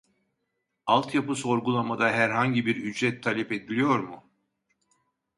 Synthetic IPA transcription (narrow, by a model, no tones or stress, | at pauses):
alˠt̪japɯso̞ɾɡulˠamad̪aɦæɾɦaɲɟibiɾyd͡ʒɾɛt̪ʰːalʲɛped̪ilʲijo̞ɾmʊ